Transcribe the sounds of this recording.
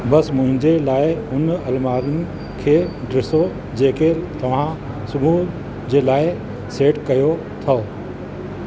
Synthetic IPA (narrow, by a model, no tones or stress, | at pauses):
bɐsmʊ̃ɦɪ̃ɲd͡ʑelaːɪɦʊnɐlmaːɾɪnɪ̆ | kʰeːɖɾɪso | d͡ʑeːket̪ɐʋ̤ã | sʊmuːɾ | d͡ʑeːlaːɪ | seːʈkɐjo | t̪ʰɐ